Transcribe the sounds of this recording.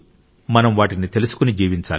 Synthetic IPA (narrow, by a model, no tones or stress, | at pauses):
mɐnɐmʋaːʈinit̪e̞lusu̥kunid͡ʒiːʋiɲt͡ʃa̰ːl